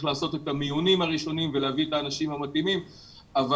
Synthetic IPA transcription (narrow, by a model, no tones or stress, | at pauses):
χlaːso̞te̞tamijunimhaʁiʃo̞nimveleavietaːnaʃimamat̪imim | ava